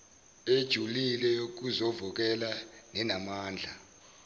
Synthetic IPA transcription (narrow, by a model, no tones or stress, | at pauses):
ed̥ʒ̥ʱulilɛk̬uzɔvɔk̬ɛlanɛnamaːnd͡ɮʱa